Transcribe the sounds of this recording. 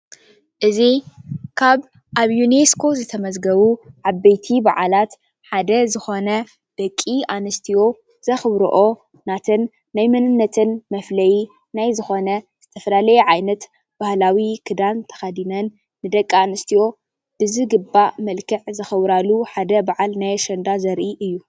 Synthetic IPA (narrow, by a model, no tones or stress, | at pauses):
ʔɨzikʰaβ | ʔaβjuneskʰo̞zɨt̪ʰɐmɐzɡɐβuʕaβːejt̪ʰibaʕalat̪ | ħad̪ɐzɨxo̞nɐ | d̪̥ɐkʼːianɨst̪ʰijo̞ | z̥ɐxɨβɾo̰ʔo̞ | nat̪ʰɨnː | ajmɨnɨnːɐt̪ʰɨnmɐflɐji | najzɨxo̞nɐz̥ɨt̪ʰɐfɐlalɐjɛʕajnɐt̪ | b̥ahlawikʰɨd̪ant̪ʰɐ̥xɐd̪inɐnː | ɨd̪ɐkʼːianɨst̪ʰijo̞ | b̥ɨzɨɡɨbːamɐlkʰɨʕzɐxɐwɾaluħad̪ɐbaʕalnajaʃɐnd̪azɐɾʔiʔɨjːu